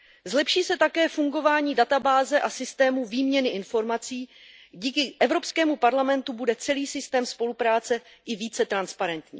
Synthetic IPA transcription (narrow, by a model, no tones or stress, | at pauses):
zlɛpʃiːsɛt̪akɛːfuŋɡo̞vaːɲiːdat̪abaːzɛʔasɪst̪ɛːmuviːmɲɛnɪʔɪnfo̞ɾmat͡siːɟiːkɪʔɛvɾo̞pskɛːmupaɾlamɛnt̪ubudɛt͡sɛliːsɪst̪ɛːmspo̞lupɾaːt͡sɛʔɪviːt͡sɛt̪ɾanspaɾɛnt̪ɲḭː